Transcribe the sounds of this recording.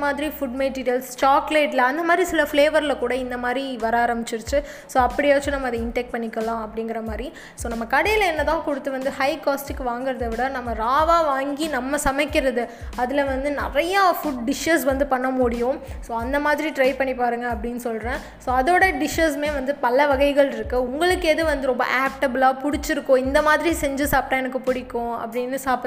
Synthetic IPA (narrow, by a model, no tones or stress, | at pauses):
maːðɪɾifʊɖmeʈiːɾɪjɐlst͡ʃaːkleːʈɪlɐɐnd̪ɐmaːd̪ɾisɪlɐfleːʋɐɾlɐkuːɽɐɪnd̪ɐmaːd̪ɾiʋɐɾaːɾɐmbɪt͡ʃːɪɾɯt͡ʃːɯ | soːɐpːɐɽɪɐʋɐt͡ʃːɯ̃nɐmːɐðɐɪɳʈɛkʈ̚pɐɳːɪkːɐlãːɐpːɐɽɪŋɡɪɾɐmaːd̪ɾi | soːnɐmːɐkɐɽɐjɪlɛnːɐt̪ãːkɔɽɯt̪ːɯʋɐnd̪ɯhɐɪkaːsʈɪkːɯʋaːŋɡɪɾɐðɐʋɪɽɐnɐmːɐɾaːʋaːʋaːŋɡinɐmːɐsɐmɛkːɪɾɐðɯ | ɐðɪlɐʋɐnd̪ɯnɪrɐjɐfʊʈ̚ɖɪʂesʋɐnd̪ɯpɐɳːɐmʊɽɪjʊ̃soːɐnd̪ɐmaːðɪɾiʈɾɐɪpɐɳːipaːɾɯŋɡɐːpːɐɽɪnːɯsɔlɾẽː | soːɐðoːɽɐɖɪʃɐs̬meːʋɐnd̪ɯpɐlːɐʋɐɣɐɪɣɐɭɪɾɯkːɯʊŋɡɐɭɯkːeːðɯʋɐnd̪ɯɾɔmbɐ̰ʔaːp̚ʈɐbɯlaːpʊɽɪt͡ʃːɪɾɯkːõɪnd̪ɐmaːðɪɾisɛɲd͡ʒɯsaːpʈɐɛnɐk̬ːɯpʊɽɪkːʊ̃ːɐ̰pːɐɽɪnːɯsaːp